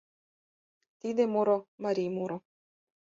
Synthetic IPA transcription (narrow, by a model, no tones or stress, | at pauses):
t̪id̪emuɾomaɾʲimuɾo